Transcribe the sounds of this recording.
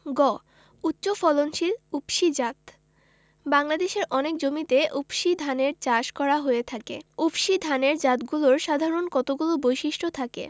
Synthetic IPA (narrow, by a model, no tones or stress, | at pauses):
ɡɔ | utːɕofɔlonʃilupʃid͡ʑat̪ | baŋlad̪eʃeɾʔɔnek̚d͡ʑomit̪eʔupʃid̪ʱaneɾt͡ɕaʃkɔɾaɦoet̪ʰakḛupʃid̪ʱaneɾd͡ʑat̪ɡuloɾʃad̪ʱaɾonkɔt̪oɡulobojʃiʃʈʰot̪ʰakḛ